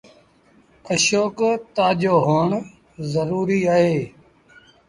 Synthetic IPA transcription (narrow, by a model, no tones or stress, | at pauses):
əʃoːkt̪aːd͡ʒoːɦoːɳ | zəɾuːɾiːaːɦeː